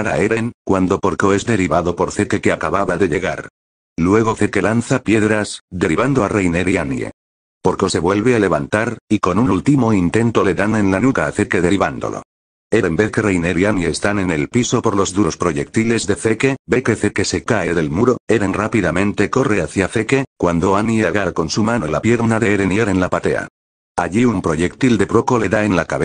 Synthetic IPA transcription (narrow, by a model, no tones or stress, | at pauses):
aɾa̰eɾeŋkwand̪o̞po̞ɾkoe̞zðe̞ɾiβaðo̞po̞ɾθe̞keke̞akaβaβaðe̞ʎe̞ɣaɾ | lwe̞ɣ̞oθeke̞lanθapje̞ðɾasðe̞ɾiβand̪o̞arejneɾianjḛ | po̞ɾkose̞βwe̞lβe̞ale̞βant̪aɾiko̞nunult̪imoint̪e̞nt̪o̞le̞ðanẽ̞nlanukaːθe̞ɾkeðe̞ɾiβand̪o̰lo̞̰ | eɾembe̞θke̞rejneɾianje̞ːst̪ane̞ne̞lpisopo̞ɾlo̞zðuospɾo̞ʝe̞k̚t̪ile̞zðe̞fe̞kebe̞ke̞θeke̞se̞kae̞ðe̞lmuɾo̞e̞ɾenrapiðamẽ̞nt̪e̞ko̞re̞aθjafe̞ke̞kwand̪o̞anjeaɣaɾko̞nsumãno̞lapje̞ɾnaðeeɾenjeɾe̞nlapat̪e̞̰a̰ | aʝiumpɾo̞ʝe̞kt̪ild̪e̞pɾoko̞le̞ðae̞nlakaβe